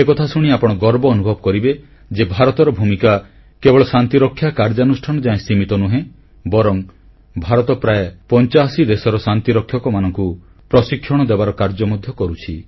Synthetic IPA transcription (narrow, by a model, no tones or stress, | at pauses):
ekɔt̪ʰasuɽ̃iapɔɽ̃ɔɡɔɾbɔːnubʱɔbɔkɔɾibe | d͡ʒebʱaɾɔt̪ɔɾɔbʱumika | kebɔɭɔsant̪iɾɔkʰːjakaɾd͡ʒanusʈʰanɔd͡ʒaẽsimit̪ɔnuɦẽ | bɔɾɔŋ | bʱaɾɔt̪ɔpɾaepɔnt͡ʃasid̪esɔɾɔsant̪iɾɔkʰjɔkɔmanɔŋku | pɾɔsikʰːjɔɽ̃ɔd̪ebaɾɔkaɾd͡ʒɔmɔd̪ʱjɔkɔɾut͡ʃʰi